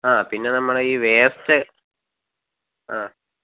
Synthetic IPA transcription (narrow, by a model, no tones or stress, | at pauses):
aːpinːe̞nɐmːɐɭiːʋeːstɨ | aː